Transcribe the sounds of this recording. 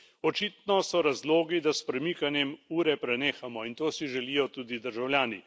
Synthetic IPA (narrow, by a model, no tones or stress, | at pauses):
ɔt͡ʃiːt̪nɔsɔɾazloːɡid̪aspɾɛmikanjɛmuːɾɛpɾɛneːxamɔint̪oːsiʒɛliːjɔt̪uːd̪id̪əɾʒawljaːni